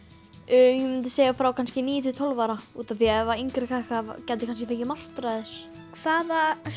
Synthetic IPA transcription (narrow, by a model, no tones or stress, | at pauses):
ʏːjɛmʏnt̪̬ɪseːjɣafɾawkʰanscɪniːjʏt̪ʰit̪ʰɔlvaɾauːt̪anθiɛvaiŋkɾɪkʰakavcɛnt̪ɪkʰanscɪfecɪmar̥t̪ɾaðɪɾ̥ | kʰvaːða